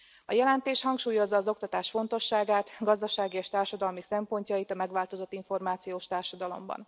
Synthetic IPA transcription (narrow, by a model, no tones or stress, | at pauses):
ɒjɛlɛnt̪eːʃhɒŋkʃuːjo̞zːɒːzo̞kt̪ɒt̪aːʃfo̞nt̪o̞ʃːaːɡaːt̪ɡɒzd̪ɒʃaːɡieːʃt̪aːrʃɒd̪ɒlmisɛmpo̞ɲcɒjit̪ɒmɛɡʋaːlt̪o̞zo̞t̪ːiɱfo̞rmaːt̪sijoːʃt̪aːrʃɒd̪ɒlo̞̰mbɒ̰n